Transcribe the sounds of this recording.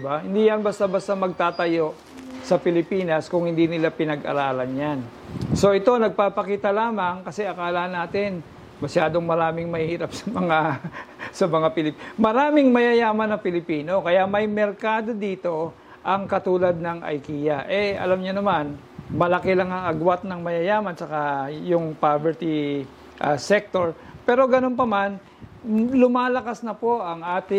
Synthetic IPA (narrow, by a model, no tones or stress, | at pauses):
ɪbahɪnd̪iːjɐnbɐst̪abɐst̪amɐɡ̚t̪aːt̪ɐjo̞ʔ | sɐpɪlɪpiːnɐskʊŋhɪnd̪inɪlapɪnɐɡʔɐ̰ɾaːlɐnjan | so̞ʔɪt̪o̞nɐɡ̚paːpɐkiːt̪ɐlaːmɐŋkɐsɛʔɐkaːlɐnaːt̪ɪn | mɐsjaːd̪o̞ŋmɐɾaːmɪŋmɐhiːɾɐp̚sɐmɐŋa | sɐmɐŋapɪlɪpmɐɾaːmɪŋmɐjajaːmɐnːɐŋpɪlɪpiːno̞kɐjamɐjmɛɾkaːd̪o̞d̪iːt̪o̞ | ʔɐŋkɐt̪uːlɐd̪̚nɐŋʔɐ̰jkiːjɐʔɛʔɐ̰lamɲʊnɐman | mɐlɐkɛlɐŋɐŋɐɡwat̪̚nɐŋmɐjɐjaːmɐnt͡ʃɐkajʊŋpavɛɹt̪ɪ | ʔɐsɛk̚t̪o̞ɹpɛːɾo̞ɡɐno̞np̬ɐman | lʊmaːlɐkasnɐpo̞ʔɐŋʔaːt̪ɪ